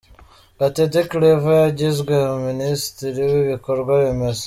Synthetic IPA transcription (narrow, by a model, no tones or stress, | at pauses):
kateteklevajaɟizɡwemuministiɾiwiβikoɾɡwaβimez